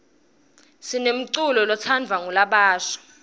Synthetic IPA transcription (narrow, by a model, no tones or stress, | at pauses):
sinem̩ǀulɔlɔt͡sʰand͡vʱwaŋulaɓaːʃɔ̥